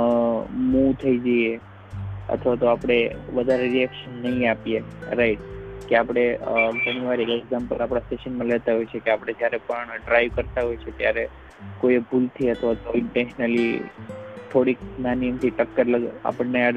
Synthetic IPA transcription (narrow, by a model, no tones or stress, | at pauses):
mũt̪ʰəid͡ʒəje | ə̰t̪ʰʋat̪oapɽ̃eʋəd̪ʱaɾeɾiɛkʃənːəɦĩapijeɾaiʈ̚keapɽ̃ed͡ʒəñiʋaɾiekeɡzãmpəlapɽ̃asʈeʃənmãlet̪aɦojt͡ʃʰekeapɽ̃ed͡ʒjaɾepəɳɖɾajʋkəɾt̪aɦojt͡ʃʰet̪jaɾe | kojebʱult̪ʰiət̪ʰʋat̪oɪɳʈenʃnəli | t̪ʰoɽikmanijəmt̪ʰiʈəkːəɾləɡa̰pəɳnea